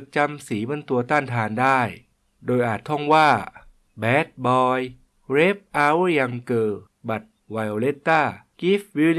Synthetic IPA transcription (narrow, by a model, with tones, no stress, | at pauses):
k̚t͡ɕa˧msiː˩˦ba˧nt̪u˧ɐt̪aː˥˩nt̪ʰaː˧ndaː˥˩j | doː˧jʔaː˨˩t̪ʰːɔ˥˩ŋwaː˥˩ | bɛː˦˥t̪̚bɔː˧j | ɾeː˦˥p̚ʔa˧˦wja˧ŋkɤː˧ | ba˨˩t̪̚ | wa˧jo˧le˦˥t̪ːaː˥˩ki˦˥fbi˧˥n